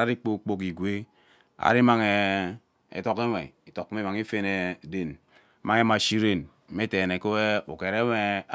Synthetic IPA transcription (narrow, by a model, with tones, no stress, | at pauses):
a˦ɾi˦k͡po˦˨k͡po˦k̬i˨ɡʷe˦ | a̰˨ɾi˦ma˨ŋe˨ | ḛ˨to˦ke˦ŋe˨i˨to˨kːm˦i˦ma˨ŋi˦fe˦ne˨de˨n˦ | ma˦ŋe˦ma˨ʃi˦ɾe˦˨n̩˦ | me˦te˨ne˨ko˦e˦u˨ke˨ɾe˦me˦